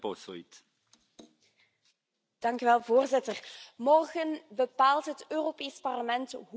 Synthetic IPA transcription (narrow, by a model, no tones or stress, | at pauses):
posoit | d̥ɑŋkyʋɛlˠvoːrzɪtərmɔrɣənbəpaːlˠtɦətøːropeːspɑrləmɛntɦ